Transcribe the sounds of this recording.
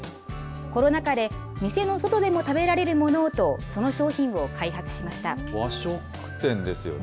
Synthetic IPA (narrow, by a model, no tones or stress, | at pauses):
ko̞ɾo̞nakad̪e̞ | mʲise̞no̞so̞t̪o̞d̪e̞mo̞t̪abe̞ɾaɾe̞ɾɯ̟mo̞no̞t̪o̞so̞no̞ɕo̞ːçĩɰ̃βo̞kʰaiɦat͡sɨ̥ɕimaɕi̥t̪a̰ | βaɕokːɯ̥t̪ẽ̞nd̪e̞sɨjo̰